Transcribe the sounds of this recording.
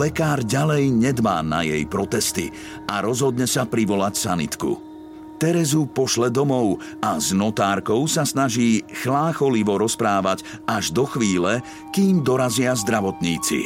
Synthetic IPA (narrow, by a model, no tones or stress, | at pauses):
lɛkaːɾɟalɛjɲɛd̪ʋa̰ːna̰jɛ̰jpɾɔt̪ɛst̪ḭ | ʔaɾɔzɦɔd̪ɲɛsapɾiʋɔlacsa̰nḭt̪kṵ | t̪ɛɾɛzupɔʃlɛd̪ɔmɔʊ | aznɔt̪aːɾkɔʊsasnaʒiːxlaːxɔliʋɔɾɔspɾaːʋaɟ | aʒd̪ɔxʋiːlɛ | kiːmd̪ɔɾazɪazd̪ɾaʋɔt̪ɲiːt͡sḭ